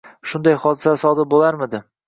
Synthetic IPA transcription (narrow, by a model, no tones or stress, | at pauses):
ʃʊnd̪ajχɒd̪ɪsasɒd̪ɪɾbolaɾmɪd̪ɪ